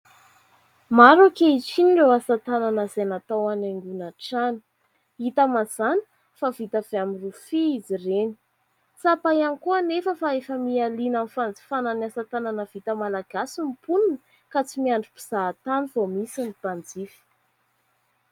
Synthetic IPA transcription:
maɾukeit͡siniɳɖ͡ʐewasat̪ananəzenat̪awanaŋɡunaʈ͡ʂani̥ | it̪amaz̥ani̥ | favit̪av̥eamirufiizireni̥ | t͡sapajanikuənefəfaefəmialinamfand͡zi̥fananasat̪ananəv̥it̪əmalaɡ̥asumpununə | kat͡simiaɳɖ͡ʐupi̥z̥aːt̪anivomisinip̪and͡zifi̥

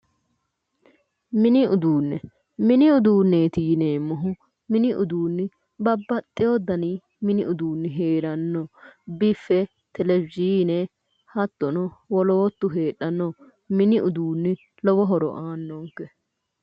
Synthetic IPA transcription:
mɪnɪʊd̪uːnːɛ | mɪnɪʊd̪uːnːeːt̪iːneːmːɔɦʊ | mɪnɪʔʊ̰d̪uːnːɪ | bɐbːɐt̪ʼːɪjɔd̪ɐniː | mɪnɪʔʊd̪uːnːɪɦeːɾɐnːɔbɪfɛ | t̪ɛlɛbɪziːnɛ | hɐt̪ːɔnɔwɔloːt̪ːʊɦeːɗɐnːɔ | mɪnɪʔʊd̪uːnːɪ | lɔwɔɦɔɾɔ̰ʔaːnːoːŋkːɛ

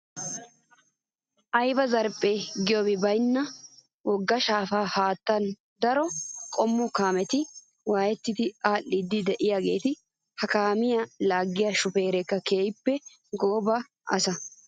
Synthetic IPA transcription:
ʔɐjbɐzɐɾpʼːeːɡɪjobɪbɐjnːɐ | wɔɡːɐʃaːfaːhaːt̪ːɐn | d̪ɐɾɔkʼɔmːʊkaːmɛt̪ɪ | waːjɛt̪ːɪd̪ɪaːʔːɪd̪ːɪd̪ɛʔɪjaːɡe̞ːt̪ɪ | hɐkaːmɪjɐlaːɡːɪjaʃʊpe̞ːɾɛkːɐke̞ːjɪpːɛ | ɡoːbɐ | ʔɐ̰sɐ

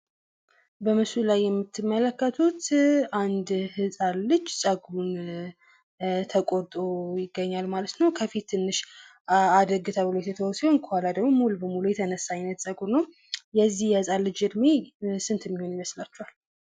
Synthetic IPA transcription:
bəmɨsulajːɛmːɨt̪ʰːɨmːələkːət̪ʰut̪and̪hɨsʼalːɨd͡ʒːsʼəɡun | t̪ʰəkʼoɾt̪ʼojɪɡːəɲːalmalət̪nəwkʰəfit̪ːɨnːɨʃ | ad̪əɡɨt̪ʰəwɨlot̪ʰɛt̪ʰəwɔsonkʰəhalad̪əɡmomulubəmulujɛt̪ʰənəsːajnːət̪sʼəɡunːəw | jɛzːihjɛhɨsʼalːɨd͡ʒɨd̪mesɨnt̪ʰɨmːiho̞njɪməslat͡ʃːual

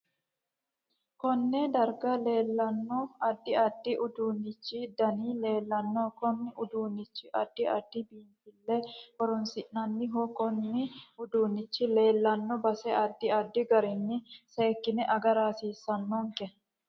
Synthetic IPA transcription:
kɔnːɛd̪ɐɾɡɐle̞ːlːɐnːɔɐd̪ːɪɐd̪ːɪʔʊd̪uːnːɪt͡ʃːɪd̪ɐniːle̞ːlːɐnːɔkɔnːɪʊd̪uːnːɪt͡ʃːɪʔɐd̪̥ːɪɐ̰d̪̥ːɪbiːntɪlːɛɔɾɔnsɪʔnɐnːɪɦɔkɔnːɪʊd̪uːnːɪt͡ʃːɪle̞ːlːɐnːɔbɐsɛɐd̪ːɪɐd̪ːɪɡɐɾɪnːɪseːkːɪnɛʔɐɡɐɾaːsiːsːɐnːɔŋkɛ

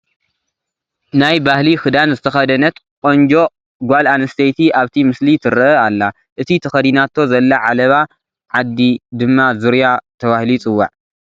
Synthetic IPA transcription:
najbahlixɨd̪anzɨt̪ʰɐxɐd̪ɐnɐt̪kʼo̞nd͡ʒo̞ | ɡʷalanɐst̪ʰejt̪ʰiʔaβt̪ʰimɨslit̪ʰɨɾɐalːa | ʔɨt̪ʰit̪ʰɐxɐd̪inat̪ʰːo̞zɐlːaʕalɐβa | ʕad̪ːid̪ɨmːazuɾjat̪ʰɐβahlit͡sʼɨwːa̰ʕ

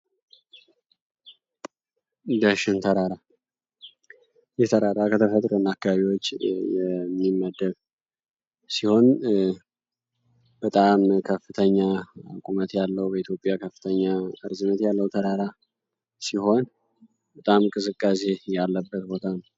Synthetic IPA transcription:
d̪əʃɪnt̪ʰəɾaɾa | jɛt̪ʰəɾaɾakʰət̪ʰəfət̪ʼɾənːakːaβaβiwo̞t͡ʃːjɛmːimːəd̪ːəβ | siho̞n | bət̪ʼamkʰəfɨt̪ʰəɲːakʼumət̪jalːəwbəit̪jo̞pʼːjakʰəfːɨ̥t̪ʰəɲːaɨɾzɨnːət̪jalːəwt̪ʰəɾaɾa | siho̞n | bət̪ʼamkʼɨzɨkʼːas̬ejalːəbːət̪bo̞t̪ʰanəw

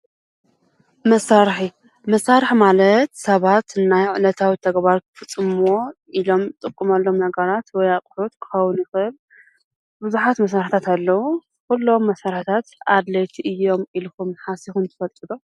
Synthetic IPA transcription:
mɐsːaɾħi | mɐsːaɾħmalɐt̪sɐβat̪ɨnajʕɨnɐt̪ʰawit̪ʰɐɡbaɾkʰɨ̥fɨt͡sʼːɨmoʔilo̞mɨt̪ʼɨkʼːɨmɐlːo̞mnɐɡɐɾat̪wɔjakʼħut̪kʰɨ̥xɐwʊnjɪxɨl | bɨzuħat̪mɐs̬aɾħt̪ʰat̪alːɐwu | kulːo̞mːɐsaɾħt̪ʰat̪ad̪lɐjt̪ʰiʔɨjːo̞milkumħasixumnt̪ʰɨ̥fɐlt̪ʼɨd̪o

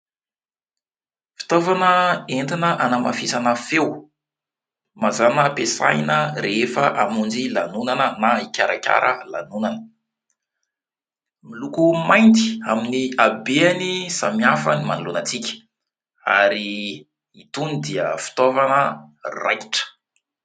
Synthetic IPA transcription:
fi̥t̪ovanəenɖ͡ʐinəʔanəma̰fisanəfew | mazanəpesa̰jnəɾefəʔamund͡ʒilanunanənaikʲaɾakʲa̰ɾʔəla̰nunanə | milukumajnt̪i̥aminiabeanisa̰miafənimanulunat͡sikʲə̥ | a̰ɾiː | t̪unid̪iəfi̥t̪ovanəra̰jki̥ʈ͡ʂə̥

